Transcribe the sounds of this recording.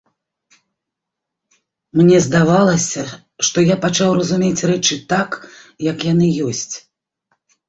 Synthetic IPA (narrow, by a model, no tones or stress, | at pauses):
mnʲɛzd̪avalˠɐsʲɐ | ʂt̪ɔjapat͡ʂawrɐzumʲet͡sʲrɛt͡ʂɨt̪akjɐkjanɨjɔsʲt͡sʲ